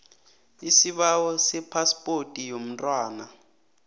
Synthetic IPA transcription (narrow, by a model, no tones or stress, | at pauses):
isiɓawɔsɛpʰaspʼotʼijom̩ntʼwaːna